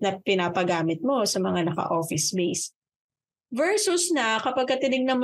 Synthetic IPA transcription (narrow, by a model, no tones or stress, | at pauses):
nɐpɪnaːpɐɡaːmɪt̪̚mo̞sɐmɐŋanɐkɐ̰ʔoːfɪsbejs | vɛɹsʊsnɐkɐpɐɡ̚kɐt̪ɪnɪɡnɐm